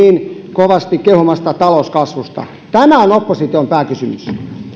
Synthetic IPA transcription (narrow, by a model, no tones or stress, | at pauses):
iːnkoʋɑst̪ikkehumɑst̪ɑt̪ɑloskɑsʋust̪ɑ̰ | t̪æmæonopːosit̪iompæːkysymys